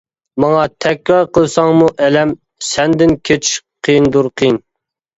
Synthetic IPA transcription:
mɑŋɑt̪ʰɛkʲɾɑɾqʰəlˠsɑŋmuʔɛlɛm | sɛnd̪ɪnkʲʰet͡ʃʰqʰijnd̪uɾqʰijn

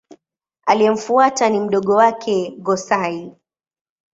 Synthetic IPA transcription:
aliɛm̩fuatanim̩ɗɔɠɔwakʰɛɡɔsai

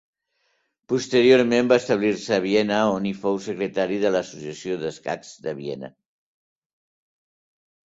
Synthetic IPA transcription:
pust̪əɾioɾmembaəst̪əβ̞liɾsəːβ̞iɛnəonifowsəkɾət̪aɾiðələsusjəsioðəska̰kzd̪əβ̞iɛnə̰

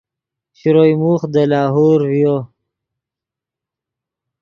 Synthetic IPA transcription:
ɕiɾojmuχd̪əlɑːɦoːɾvijo

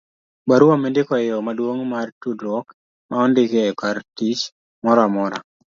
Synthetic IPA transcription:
baɾuamendɪkɔɪɔmadwoŋmartudɾwɔk | maɔndɪkekartit͡ʃ | mɔɾamɔɾa̰

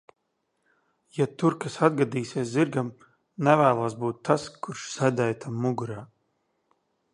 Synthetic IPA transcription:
jat̪uɾkasad̪ɡad̪iːseɛsziɾɡam | nɛvæːlˠaːsbuːt̪ːaskuɾʃsæd̪ɛjt̪ʰamːuɡuɾaː

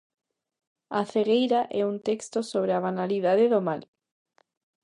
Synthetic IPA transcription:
aθeɣejɾaʔɛunt̪ekst̪osoβɾeaβanaliðaðeðomal

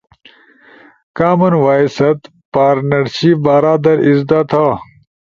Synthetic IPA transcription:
kaːmɐnwaːisɐt̪ | paːɾnɐɾɕiːbaːɾaːd̪ɐɾizd̪aːt̪ʰaː

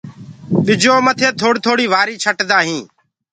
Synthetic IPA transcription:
ɓɪd͡ʒoːmət̪ʰeːt̪ʰoːɽt̪ʰoːɽiːʋaːɾiːt͡ʃʰəʈd̪aːɦĩː

